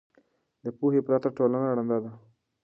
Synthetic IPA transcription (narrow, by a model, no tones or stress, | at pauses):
d̪əpuɦepɾɑt̪aʈolanaɽand̪ad̪a